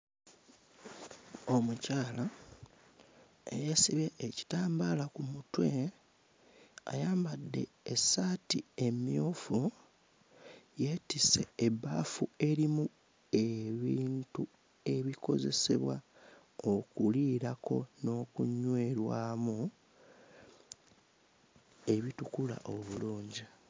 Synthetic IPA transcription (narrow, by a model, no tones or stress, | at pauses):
o̞mucaːla | ḛjesiβeʔːci̥taːmbaːlakumutwe | a̰jaːmbadːe̞̰ | esaːtie̞mjoːfu | je̞tise̞ːbaːfue̞ɾimu | e̞βiːntu | e̞βiko̞̰ze̞̰se̞̰βwa | o̞kuliːɾako̞no̞ːkuɲːwe̞ɾwaːmu | e̞βitukula̰ʔo̞βuluːɲɟi